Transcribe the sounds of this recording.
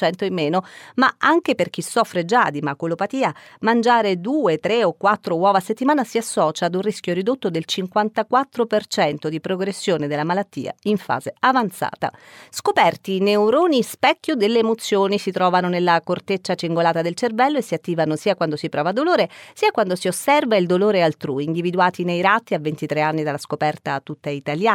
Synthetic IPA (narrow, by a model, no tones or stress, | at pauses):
ɛnt̪oemːeːnomaaŋk̟eperk̟isːɔfːɾed͡ʒad̪imakolopat̪iːa | mand͡ʒaːɾed̪uːet̪ɾeokːwat̪ːɾowɔːvaset̪ːimaːnasiasːɔːt͡ʃaːd̪unriskjorid̪ot̪ːod̪elt͡ʃiŋkwant̪akwat̪ːɾopert͡ʃɛnt̪od̪ipɾoɡɾesːjoːned̪elːamalat̪ːḭːa̰iɱfa̰ːzeavant̪sa̰ːt̪a̰skopɛrt̪ineuɾoːnispɛkʲːjod̪elːeːmot̪sːjoːnisit̪ɾɔːvanonelːakort̪et͡ʃːat͡ʃiŋɡolaːt̪ad̪elt͡ʃervɛlːoesːiat̪ːiːvanosiːakwand̪osipɾɔːvad̪oloːɾesiːakwand̪osiosːɛrvaild̪oloːɾealt̪ɾuiːnd̪ivid̪uaːt̪inejɾat̪ːiavːent̪it̪ɾeanːid̪alːaskopɛrt̪at̪ːut̪ːait̪aljaː